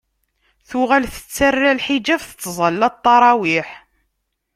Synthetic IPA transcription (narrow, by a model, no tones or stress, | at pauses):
θuʁælθə̥t͡sːærːælħid͡ʒæfθət͡s̪ːzˤɑlːɑt̪ˤːɑɾˤɑwiħ